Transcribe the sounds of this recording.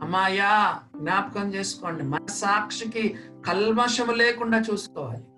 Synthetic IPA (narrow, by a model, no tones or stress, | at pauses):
ɐmaːjaːɡnʲjaːpɐkɐmt͡ʃeːsu̥koːɳɖimɐɐsaːkʂikikɐlmɐʂɐmuleːkuɳɖaːt͡ʃuːsu̥koːʋa̰ːli